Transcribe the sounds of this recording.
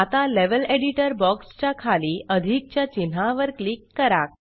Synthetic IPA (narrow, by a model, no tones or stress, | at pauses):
at̪aleʋəleɽiʈəɾbɔkst͡ɕakʰaliːʔəd̪ʱik̚t͡ɕjat͡ɕinɦãʋəɾklikːəɾa̰k̚